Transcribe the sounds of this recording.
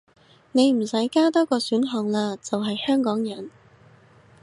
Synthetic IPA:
ne˨˧jm̩˨˩sɐ˨˥jkaː˥t̪ɔː˥kɔː˧syː˨˥nɦɔː˨˩ŋlaː˧t͡sɐ˨wɦɐ˨jhœː˥ŋkɔː˨˥ŋjɐ˨˩n

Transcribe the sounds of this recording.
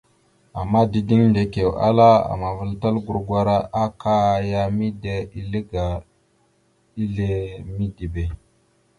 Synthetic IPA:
a˨mːa˦di˦di˦ŋnde˨ke˨wa̰˦la˦a̰˨ma˨və˨lta˦lɡu˦ɾɡwa˦ɾa˦ʔa˦ka˦˨ja˦mi˦de˦i˦li˦ɡa˨ | i˦le˦mi˦di˨be˨

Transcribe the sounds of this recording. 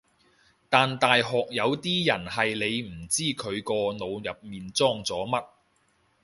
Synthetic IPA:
t̪aː˨nt̪aː˨jɦɔː˨k̚jɐ˨˧wt̪iː˥jɐ˨˩nhɐ˨jle˨˧jm̩˨˩t͡siː˥kʰɵ˨˧ɥkɔː˧no˨˧wjɐ˨p̚miː˨nt͡sɔː˥ŋt͡sɔː˨˥mɐ˥t̚

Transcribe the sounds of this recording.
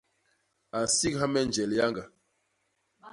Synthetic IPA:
a˨n˨si˦k̚ha˦mɛ˦n˨d͡ʒɛ˨lja˦ŋɡa˨

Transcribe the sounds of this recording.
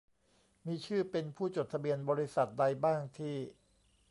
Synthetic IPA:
miː˧t͡ɕʰɯː˥˩pe˧npʰuː˥˩t͡ɕoː˨˩t̪ʰa˧bi˧ənbɔː˧ɾi˦˥sa˨˩t̪̚da˧jbaː˥˩ŋt̪ʰiː˥˩

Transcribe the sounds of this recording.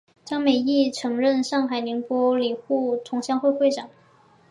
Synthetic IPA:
t͡ɕjɑ˥ŋme˨˩ɪi˥˩ʈ͡ʂʰɤ˧˥ŋɻə˥˧nʂɑ˥˩ŋxa˨˩ɪli˧˥ŋpwɔ˥li˨˩xu˥˩t̪ʰʊ˧˥ŋɕjɑ˥ŋxwe˥˧xwe˥˩ɪʈ͡ʂɑ˨˩˦ŋ

